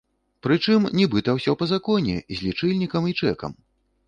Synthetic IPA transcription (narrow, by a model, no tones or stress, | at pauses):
pɾɨt͡ʂɨmnʲɛbɨt̪ɐwsʲɔpɐzakɔnʲɛ̰zʲlʲit͡ʂɨlʲnʲikɐmit͡ʂɛkɐ̰m